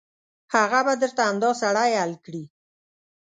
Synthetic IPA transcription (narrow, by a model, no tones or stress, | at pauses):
haɣabad̪əɾt̪aamd̪ɑsaɽajhalkɽi